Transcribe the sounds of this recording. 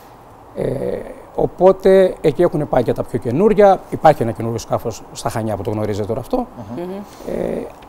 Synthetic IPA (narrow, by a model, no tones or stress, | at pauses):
ḛ | o̞po̞t̪e̞ecie̞xune̞pɐicet̪ɐpço̞ce̞nuɾʝɐipɐɾçie̞nɐce̞nuɾʝo̞skɐfo̞sːt̪ɐxɐɲɐput̪o̞ɣno̞ɾizet̪et̪o̞ɾɐft̪o̞ | ḛ